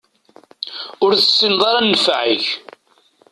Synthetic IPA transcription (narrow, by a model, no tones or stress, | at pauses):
ʊɾθə̥sːɪnðˤɑɾɑnːəfʕəç